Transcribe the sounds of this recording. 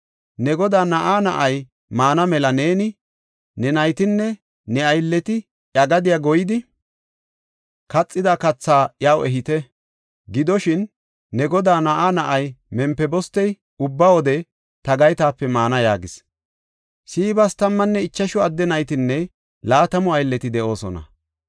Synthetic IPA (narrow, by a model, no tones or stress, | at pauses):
nɛɡɔd̪aːnɐʔaːnɐ̰ʔɐj | maːnɐmɛlɐne̞ːnɪ | nɛnɐjt̪ɪnːɛ | nɛɐjlːɛt̪ɪ | ʔɐɡɐd̪ɪjaːɡɔjɪd̪ɪ | kɐt͡sʼːɪd̪aːkɐt͡sːaːjaːwɛɦɪt̪ɛ | ɡɪd̪ɔʃɪnː | ɛɡɔd̪aːnɐʔanɐʔɐjmɛmpːɛbɔst̪ːɛj | ʊbːawɔd̪ɛ | t̪ɐɡɐjt̪aːpːɛmaːnɐjaːɡɪs | siːbɐst̪ɐmːɐnːɛɪt͡ʃːɐʃɔɐd̪ːɛnɐjt̪ɪnːɛ | laːt̪ɐmɔɐjlːɛt̪ɪd̪ɛʔoːsɔ̰nɐ̰